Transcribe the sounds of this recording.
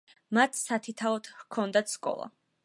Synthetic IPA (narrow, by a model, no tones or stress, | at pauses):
mat̪ʰsat̪ʰit̪ʰaɔt̪kʰɔnd̪at̪ʰskʼɔ̰lˠa̰